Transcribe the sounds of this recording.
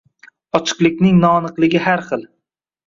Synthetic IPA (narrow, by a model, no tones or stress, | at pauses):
ɒt͡ʃʰɨ̥qlˠɪkʲnɪŋnɒːnɨqlˠɪɡʲɪhaɾχɨlˠ